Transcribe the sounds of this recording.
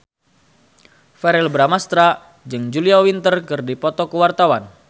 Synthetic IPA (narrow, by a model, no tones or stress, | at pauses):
fɛɾɛlbɾamast̪ɾa | d͡ʒɨŋd͡ʒuliawint̪ərkɨrdipɔt̪ɔkəwart̪awan